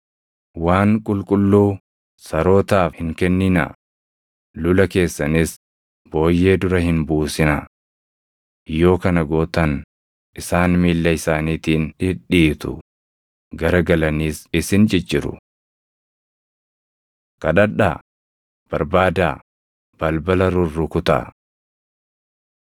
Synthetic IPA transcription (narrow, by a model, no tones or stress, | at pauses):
waːŋkʼʊlkʼʊlːuː | sɐɾo̞ːt̪aːfhɪŋkɛnːɪnɐ̰ | lʊlɐke̞ːsːɐnɪs | b̥o̞ːjːe̞ːd̪ʊɾɐhɪnbuːsɪnɐ | jo̞ːkɐnɐɡoːt̪ɐn | ʔɪsaːnmiːlːɐɪsaːniːt̪iːnɪᶑiːt̪ʊ̰ | ɡɐɾɐɡɐlɐniːsɪsɪnd͡ʒɪd͡ʒɪɾʊ̰ | kɐᶑɐᶑa̰ː | b̥ɐɾbaːd̪aː | b̥ɐlbɐlɐɾʊrːʊkʊt̪ɐ̰